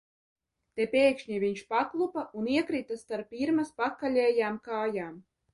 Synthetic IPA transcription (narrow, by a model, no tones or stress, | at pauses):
t̪epʲeːkʃɲiviɲʃpaklˠupauniɛkɾit̪asːt̪aɾpʲːiɾmaspakːalʲɛːjaːmkaːjaːm